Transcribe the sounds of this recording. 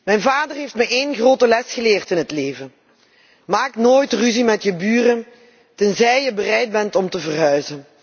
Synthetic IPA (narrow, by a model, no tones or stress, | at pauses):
mɛjnvaːdərɦejftmɛʔejnχroːtəlɛsχəlɪːrtɪnɦətleːvən | maːknoːjtryzimɛtjəbyːrən | tɛnzɛjjəbərɛjd̚bɛntɔmtəvərɦœɥzən